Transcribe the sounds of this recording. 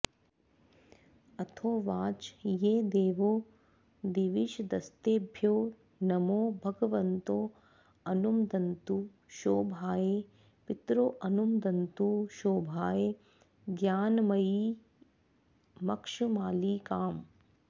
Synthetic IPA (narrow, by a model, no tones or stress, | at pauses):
ɐt̪ʰoːʋaːt͡ʃjeːd̪eːʋoː | d̪iʋiʃd̪ɐst̪eːbʱjoː | nɐmoːbʱɐɡɐʋɐnt̪oː | ɐnumd̪ɐnt̪u | ʃoːbʱaːje | pit̪ɾoʔɐnumd̪ɐnt̪uʃoːbʱaːje | ɡjaːnmɐji | mɐkʂumaːliːkaːm